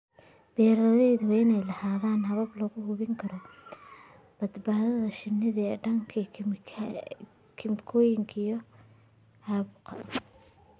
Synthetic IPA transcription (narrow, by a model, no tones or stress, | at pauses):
b̥ɛːɾɐðɛjðʊɪnɛjlɐhaːðaːnɦɐβɐblɔɣʊhʊβɪŋkʰɐɾɔ | b̥ɐd̪baːðɐðɐʃɪnːɪðɐɛɖɐŋkʰɐ | kʰɪmkʰɔjɪŋkʰɐjɔ | ʕɑːβʊqʰɐ̰